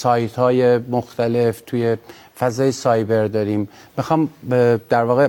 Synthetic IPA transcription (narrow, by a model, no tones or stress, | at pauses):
sɒːjt̪hɒːjemoxt̪ʰæle̞ft̪ʰuje | fæzɒːjesɒːjbe̞ɾd̪ɒːɾiːmː | ixɒːmd̪̥æɾvɒːɣe